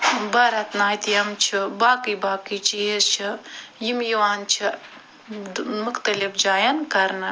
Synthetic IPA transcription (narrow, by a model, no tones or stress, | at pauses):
bɐɾɐt̪naːjt̪ijɐmt͡ʃʰibaːkibaːkit͡ʃʰijest͡ʃʰɨjimjiwaːnt͡ʃʰi | mɨxt̪ɐlifd͡ʒaːjɐnkɐɾnɐ